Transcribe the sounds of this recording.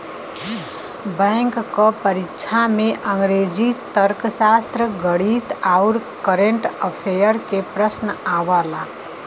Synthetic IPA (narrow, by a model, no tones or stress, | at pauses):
bə̃ŋkːɔpəɾikːt͡ʃʰameʔəŋɡɾed͡ʒit̪əɾksast̪ɾəɡəɽit̪aʊɾkəɾeɳʈəpʰejəɾkepɾəsnəabəla